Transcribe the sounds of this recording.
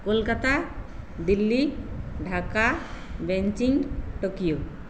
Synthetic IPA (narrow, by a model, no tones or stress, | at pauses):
kolkat̪ad̪ilːiɖʱakabɛɲt͡ʃiŋʈokijo